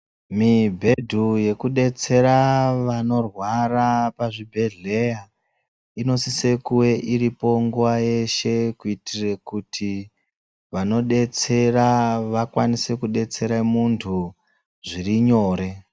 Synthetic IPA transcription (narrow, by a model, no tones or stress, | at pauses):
mibʱe̞dʱuje̞kuɗe̞t͡se̞ɾaʋano̞rwarapaʐibʱe̞ɮe̞ja | ino̞sise̞kuwe̞ʔiɾipo̞ŋɡuwaje̞ʃe̞kuitire̞kutʰi | ʋano̞ɗe̞t͡se̞raʋakwanise̞kuɗe̞t͡se̞ɾamuntʰu | ʐiriɲo̞ːɾe̞